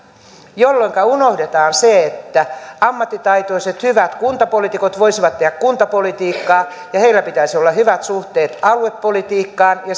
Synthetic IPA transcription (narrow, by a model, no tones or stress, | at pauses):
jolːoiŋkɑunohdet̪ɑːnseet̪ːæɑmːɑt̪ːit̪ɑit̪oiset̪hyʋæt̪kunt̪ɑpolit̪ikot̪ʋoisiʋɑt̪ːehækkunt̪ɑpolit̪iːkːɑː | jɑheilːæpit̪æisiolːɑhyʋæt̪suht̪eːt̪ɑlueppolit̪iːkːɑːnjɑ